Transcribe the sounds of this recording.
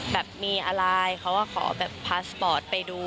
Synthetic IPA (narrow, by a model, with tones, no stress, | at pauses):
bɛː˨˩p̚miː˧ʔa˧ɾa˧jkʰa˦˥wkaː˥˩kʰɔ̰ː˩˦bɛː˨˩pʰːaː˦˥spɔː˨˩t̪̚pa˧jduː˧